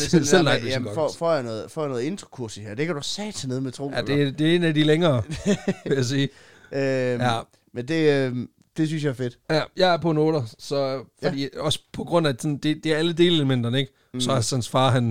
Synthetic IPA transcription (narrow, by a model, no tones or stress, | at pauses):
el̰nɑ̈ɡ̥d̥esɡ̥ɒ̽ɔfɒ̰janɔ̽ːð̩ˠfɒ̰ːjanɔ̽ːð̩ˠe̝nd̥ʁɐkʰuɐsiheɐ̰d̥ekʰæd̥uæsɛ̥ːsʰeneð̩ˠmet͡sʰʁo̝̰jæd̥e̝æd̥e̝e̝ːnæd̥ileŋɐːʋejæs̬iː | øjæ | mend̥e̝ø | d̥e̝s̬ynsjɑ̈æɐfe̝d̥jæjɑ̈ɪæɐpʰɔ̽no̝ːɾɐsɒ̽fɒd̥ḭːɒ̽sə̥pʰɒ̽ɡ̥ʁɔ̽n̰æ̥sɒ̽nd̥e̝d̥e̝æɐæləd̥e̝ːleləmen̰d̥ɐneɡ̥ | sɒ̽ænsfɑ̈ːɦæn